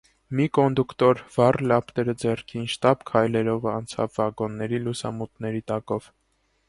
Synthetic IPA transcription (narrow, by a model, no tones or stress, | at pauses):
mikɔnd̪ukt̪ɔɾv̥ɑrlɑpʰt̪ɛɾəd͡zɛrkʰinʃt̪ɑbkʰɑjlɛɾɔvɑnt͡sʰɑ̰vːɑɡɔnːɛɾilusɑ̰mut̪nɛɾit̪ɑkɔv̥